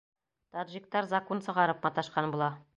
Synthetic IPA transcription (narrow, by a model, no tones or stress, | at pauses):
t̪od̪ʒik̚t̪ɑɾzakonsɤ̆ʁɑɾɤpmɑt̪ɑʃqɑnbulˠɑ